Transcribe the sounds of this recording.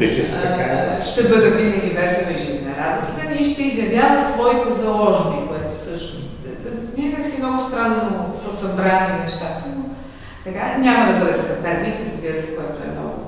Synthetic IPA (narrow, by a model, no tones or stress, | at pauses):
ɛt͡ʃɛskaʃt̪ɛbɤd̪ɐp̪ɾimɛlʲivɛɾsɛvɛʒiznɐɾad̪ʊst̪i̥t̪ɛnʲiʃt̪ɛizjɐvjavɐt̪svɔit̪ɛzɐlˠɔʒnikoɛt̪ʊsəʃt̪ʊ | nʲakaksimnɔɡʊst̪ɾanːʊsɐsɐbɾaninɛʃt̪at̪ɐnʊ | t̪ɐkaɲʲamɐd̪ɐbɤd̪ɛst̪ɐp̪ɛɾnikɾzbiɾəsɛ̥koɛt̪ʊɛ̰mnɔ̰ɡʊ̰